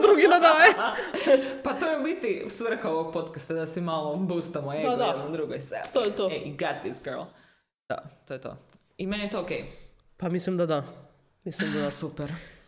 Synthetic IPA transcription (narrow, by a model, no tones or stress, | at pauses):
d̪ɾuɡinad̪aje | pat̪ojɛbit̪isʋr̩xaooɡ̚pot̪kast̪ad̪asimalˠobust̪amoed̪ad̪aɛd̪nod̪ɾuɡojsɛ̰t̪ojɛt̪oeiɡat̪̚d̪isɡɜɾlˠ | d̪̥a̰t̪ojɛt̪o̰ | imeniet̪ookej | pamislimd̪ad̪a | mislimd̪ad̪assupɛɾ